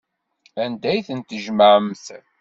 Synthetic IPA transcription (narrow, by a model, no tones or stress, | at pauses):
ænd̪æjθənt̪əʒməʕəmθ